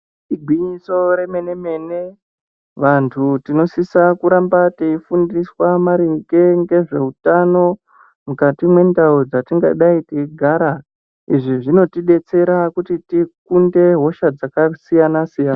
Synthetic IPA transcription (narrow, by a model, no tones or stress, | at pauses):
iɡʱwiɲiso̞ɾeme̞ne̞me̞ne̞ | ʋantʰutino̞sisakuɾambateifundiswamaɾiŋkeŋɡe̞ʐe̞utano̞ | mukatimwe̞ndaud͡zatiŋɡa̰ɗaiteiɡʱaɾa | iʐiʐino̞tiɗe̞t͡se̞ɾakutitikunde̞ɦo̞ʃad͡zakasijanasijana